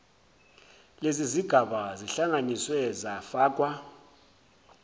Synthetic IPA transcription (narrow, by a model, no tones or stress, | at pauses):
leziziɡ̥ʱaɓaziɬaŋaniswɛzafaːkʼwa